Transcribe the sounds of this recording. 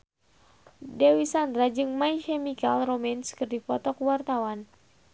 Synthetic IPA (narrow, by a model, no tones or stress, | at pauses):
dɛwisand̪ɾad͡ʒɨŋmaikɛmikalromɛnskɨrdipɔt̪ɔkwart̪awan